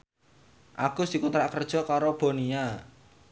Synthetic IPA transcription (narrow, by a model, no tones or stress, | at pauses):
ʔakṳsd̥i̤kunt̪ɾaʔkərd̥ʒ̥ɔ̤kaɾob̥o̤nia